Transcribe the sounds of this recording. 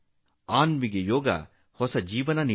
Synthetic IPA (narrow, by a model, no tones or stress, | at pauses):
aːnmiɡejoːɡɐ̰ | hɔsɐd͡ʒiːʋɐnɐni